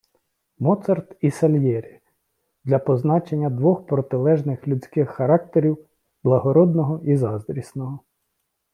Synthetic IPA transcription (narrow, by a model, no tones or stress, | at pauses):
mɔt̪sɐrt̪isɐlʲjɛɾʲi | d̪lʲɐpɔznɑt͡ʃenʲːɐd̪ʋɔxpɾɔt̪ɪlˠɛʒnɪxlʲut͡sʲkɪxːɐɾɑk̚t̪eɾʲiw | b̥lˠɐɦɔɾɔd̪nɔɦɔizɑzd̪ɾʲisnɔɦɔ